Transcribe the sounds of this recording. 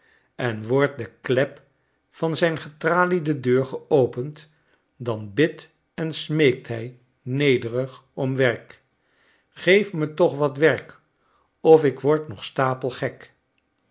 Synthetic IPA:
ɛnʋɔɹt̚dəklɛp | fɑnzɛjnχətraːlidədøːɹχəowpənt | dɑnbɪt | ɛnsmejk̚tɦɛj | nejdərəχɔmʋɛɹk | χejfmətɔχʋɑtʋɛrk | ɔfɪkʋɔɹtnɔχstaːpəlˠχɛk

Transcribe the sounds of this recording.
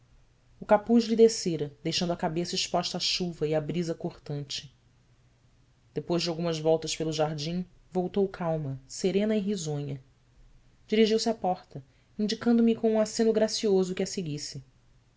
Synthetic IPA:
ukapuʃlid̪eseɾɐd̪ejʃɐ̃nd̪ʊɐkabesɐɪʃpɔʃt̪ɐaːʃuvɐiabɾizɐkoχt̪ɐ̃nt͡ʃɪ̥ | d̪̥epojzd͡ʒɪawɡũmɐzvɔwt̪ɐʃpelˠʊʒaɾd͡ʒĩ | vowt̪owkʰawmɐseɾẽnɐɪɦizõɲɐ | d͡ʒiɾiʒiwsɪapɔχt̪ɐ | ĩd͡ʒikɐ̃nd̪ʊmikõũasẽnʊɡɾasiozʊkɪɐseɡisɪ

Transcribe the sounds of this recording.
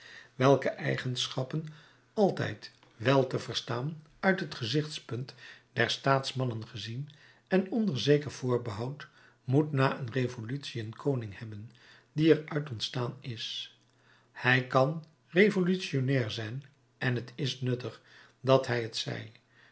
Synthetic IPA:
ʋɛlˠkəʔɛjχənsχɑpən | ɑlˠtɛ̰jt | ʋɛlˠtəvəɹstaːn | œɥtɦətχəzɪχtspɵntdɛɹstaːtsmɑnənχəzin | ɛnɔndəɹzejkəɹv̥ʊːɹbəɦɑwt | mutnaːʔənrevolytsiənkʰownɪŋhɛbən | diɛɹœɥtɔntstaːnɪs | hɛjkɑn | rejvolytsionɛːɹzɛjn | ʔɛnɦətɪsnɵtəχ | dɑtɦɛjətsɛ̰j

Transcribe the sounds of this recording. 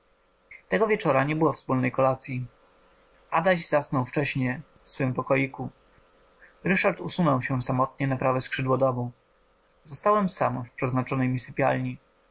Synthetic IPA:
t̪ɛɡɔvʲjɛt͡ʂɔɾaɲɛbɘwɔfspulnɛjkɔlat̪sʲji | ad̪aʑzasnɔwft͡ʂɛɕɲɛ | fsfɘmpɔkɔjiku | ɾɘʂaɾt̪usunɔwɕɛsamɔt̪ɲɛnapɾavɛskʂɘd̪wɔd̪ɔmu | zɔst̪awɛmsa̰mfpʂɛznat͡ʂɔnɛjmisɘpʲja̰lɲi

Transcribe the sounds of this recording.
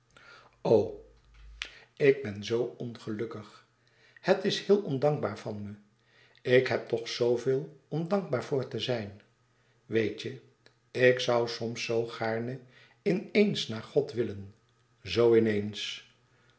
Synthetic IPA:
ow | ɪɡ̚bɛnzowɔnχəlɵkəχ | hətɪshɪːlˠɔndɑŋɡbaːɹvɑnmə | ɪkɦɛp̚tɔχsowvɪːlˠɔmdɑŋɡ̚baːɹvʊːɹtəzɛjn | ʋejtə | ɪksʌwsɔmsowχaːɹnə | ɪnejnsnaːɹχɔtʋɪlən | zowɪnejns

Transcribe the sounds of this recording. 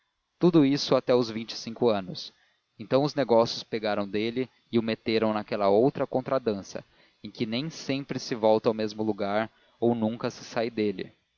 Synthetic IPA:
t̪ud̪ʊisʊat̪ɛʊzvĩt͡ʃɪ̥sĩŋkʊɐ̃nʊs | ẽnt̪ɐ̃w̃ʊzneɡɔsjʊspeɡaɾɐ̃w̃d̪elɪ | ɪʊmet̪eɾɐ̃w̃nakɛlɐowt̪ɾɐkõnt̪ɾad̪ɐ̃sɐ̰ | ẽj̃kɪnẽj̃sẽmpɾɪsɪvɔwt̪ɐawmezmʊluɡaɾ | ownũŋkɐsɪ̥sajd̪elɪ̰

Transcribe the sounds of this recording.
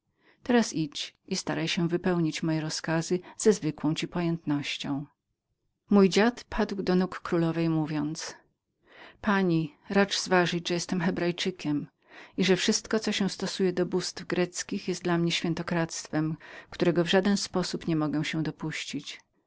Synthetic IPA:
t̪ɛɾasit͡ɕist̪aɾajɕɛ̃vɘpɛwɲit͡ɕmɔjɛɾɔskazɘz̥ɛzvɘkwɔ̃w̃t͡ɕipɔjɛnt̪nɔɕt͡ɕɔ̃w̃ | mujd͡ʑat̪pʰad̪wd̪ɔnukːɾulɔvɛjmuvʲjɔnt̪s | paɲiɾat͡ʂz̥vaʐɘd͡ʑʐɛjɛst̪ɛmxɛbɾajt͡ʂɘkʲɛm | iʐɛfʂɘst̪kɔt̪sɔɕɛ̃st̪ɔsujɛd̪ɔbust̪vɡɾɛt̪skʲixjɛst̪d̪lamɲɛɕfʲjɛnt̪ɔkɾat̪st̪fɛmkt̪uɾɛɡɔvʐad̪ɛnspɔsupɲɛmɔɡɛw̃ɕɛ̃w̃d̪ɔpuɕt͡ɕit͡ɕ

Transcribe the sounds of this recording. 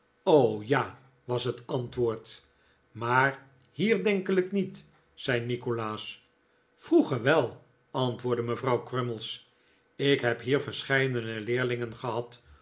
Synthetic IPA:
owjaː | ʋɑsɦətɑntʋʊːɹt | maːr | hiːɹdɛŋkəlɪknit | sɛjnikolaːs | fruχəɹʋɛlˠ | ɑntʋʊːɹdəməvrɑwkrɵməlˠs | ɪkɦɛpɦiːɹvəɹsχɛjdənəlɪːɹlɪŋənχəɦɑt

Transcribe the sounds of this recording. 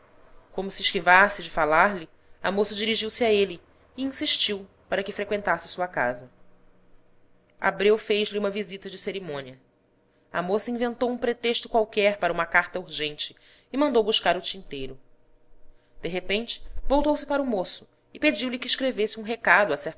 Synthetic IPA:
kõmʊsiɪʃkivasɪd͡ʒɪfalaɾlɪ | ɐmosɐd͡ʒiɾiʒiwsɪaeliː | ĩsiʃt͡ʃiw | paɾɐkɪfɾekwẽnt̪asɪsuɐka̰zɐ | a̰bɾewfejʒliũmɐvizit̪ɐd͡ʒɪseɾimõniɐ | ɐ̰mosɐĩvẽnt̪owũpɾet̪eʃt̪ʊkwawkɛɾpaɾɐũmɐkaɾt̪ɐuɾʒẽnt͡ʃɪː | mɐ̃nd̪owbuʃkaɾʊt͡ʃĩnt̪ejɾʊ | d̪̥eɦepẽnt͡ʃɪ̥vowt̪owsɪpaɾɐʊmosʊ̥ | ɪped͡ʒiwlikɪːʃkɾevesɪũɦekad̪ʊɐsɛ

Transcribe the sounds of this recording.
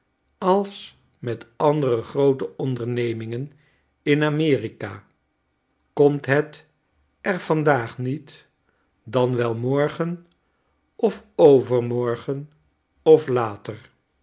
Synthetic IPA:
ɑlˠs | mɛtɑndərəχrowtəɔndəɹnejmɪŋən | ɪnamɪːrika̰ː | kɔmtɦɛt | ɛɹv̥ɑndaːχnit | dɑnʋɛlˠmɔɹχən | ʔɔfowvəɹmɔɹχən | ɔflaːtəɹ

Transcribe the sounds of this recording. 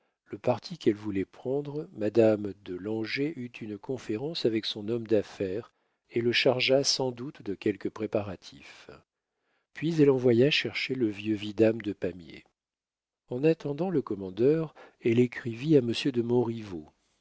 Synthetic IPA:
ləpaʁt̪ʰikɛlvulɛpχɑ̃d̪ʁəːad̪amd̪əlɑ̃ʒeʔyt̪ʰynkɔ̃feʁɑ̃savɛksɔ̃nɔmd̪afɛʁ | eləʃaʁʒasɑ̃d̪ut̪d̪əkʲɛlkəpχepaʁat̪ʰif | pɥizɛlɑ̃vwajaʃɛʁʃeləvjøvid̪amd̪əpamjḛ | ɑ̃nat̪ɑ̃d̪ɑ̃ləkɔmɑ̃d̪œʁɛlekχiviaməsjød̪əmɔ̃ʁivo

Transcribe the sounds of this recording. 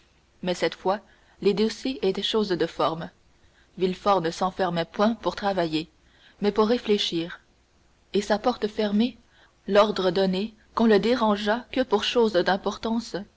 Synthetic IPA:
mɛsɛt̪fwa | led̪osjeʔet̪ɛʃoːzd̪əfɔʁm | vilfɔʁnəsɑ̃fɛʁmɛpwɛ̃puʁt̪χavaje | mɛpuʁːefleʃiːʁ | esapɔʁt̪əfɛʁme | lɔʁd̪ʁəd̪ɔne | kɔ̃ləd̪eʁɑ̃ʒakəpuʁʃoːzd̪ɛ̃pɔʁt̪ɑ̃s

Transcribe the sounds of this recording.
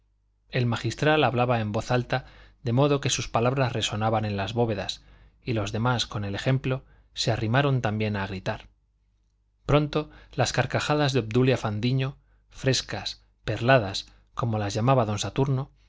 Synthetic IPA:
e̞lmaxist̪ɾalaβlaβae̞mbo̞θalt̪aðe̞mo̞ðo̞ke̞suspalaβɾasre̞so̞naβanẽ̞nlazβo̞βe̞ðas | ilo̞zðe̞masko̞ne̞lexe̞mplo̞ | se̞arimaɾo̞nt̪ambje̞naɣ̞ɾit̪aɾ | pɾo̞nt̪o̞laskaɾkaxaðazðeobd̪uljafand̪iɲo | fɾe̞skas | pe̞ɾlaðas | ko̞mo̞lazʝamaβaðo̞nsat̪uɾno̞

